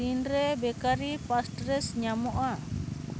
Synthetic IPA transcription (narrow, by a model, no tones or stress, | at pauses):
indɾɛbɛkaɾipastɾɛsɲamoʔa